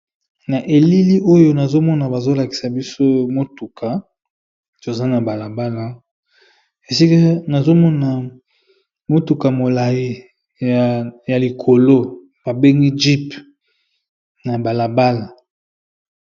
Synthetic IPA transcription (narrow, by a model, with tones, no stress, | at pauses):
na˨ʔe˨li˦li˦ʔo˦jo˦na˨zo˦mɔ˦na˨ba˨zo˦la˨ki̥˨sa˨bi˦so˦mo˦tu˨kʰa˨ | to˨za˦na˨ba˨la˨ba˦la˨ | e˨si˦ka˦na˨zo˦mɔ˦na˨ | mo˦tu˨ka˨mo˨la˨ji˦˨ | ja˨li˨kʰo˨lo˦ | b̥a˨be˦ŋɡi˦d͡ʒi˦p | na˨ba˨la˨ba˦la˨